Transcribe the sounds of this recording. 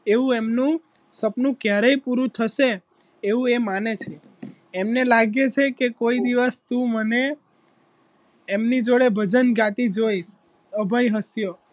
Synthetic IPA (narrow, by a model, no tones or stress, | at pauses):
eʋũemnũ | səpnũkjaɾəjpuɾũt̪ʰəʃeː | ʋũemanet͡ʃʰeː | mnelaɡet͡ʃʰekekoid̪iʋəst̪ũməne | mnid͡ʒoɽebʱəd͡ʒənɡat̪id͡ʒoiʃ | əbʱəjɦəsjo